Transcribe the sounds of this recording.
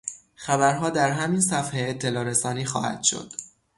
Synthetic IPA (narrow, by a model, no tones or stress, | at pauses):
xæbæɾɦɒːd̪æɾɦæminsæfheːt̪ʰːe̞lɒːɾesɒːniːxɒ̰ːhæ̰d̪̥ʃo̞̰d̪̥